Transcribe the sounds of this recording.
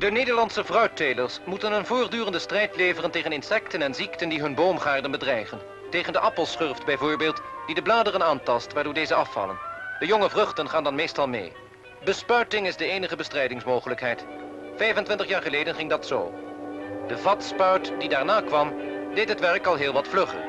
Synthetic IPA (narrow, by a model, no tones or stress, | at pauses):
dəneːdəɹlɑnsəvrœɥtejləɹsmutənənvʊːrdyːrəndəstrɛjtleːvərənteːχənɪnsɛktənɛnziktəndiɦɵnboːmχaːɹdənbədrɛjχən | tejχəndəʔɑpəlˠsχɵrftbɛjvʊːɹbeːlˠtd̥idəblaːdərənaːntɑstʋaːɹdoːɹdejzəɑfɑ̰lə̰nd̥əjoŋəvrɵχtənχaːndɑnmejstɑlˠmḛj | bəspœɥtɪŋɪzdəejnəχəbəstrɛjdɪŋsmowχələkɦɛjtfɛjvəntʋɪntəχjaːɹχəleːjdənχɪŋdɑtso̰ː | d̥əvɑtspœɥtd̥idaːɹnaːkʋɑmdejtɦətʋɛrkɑlˠɦɪːlˠʋɑtflɵχə̰n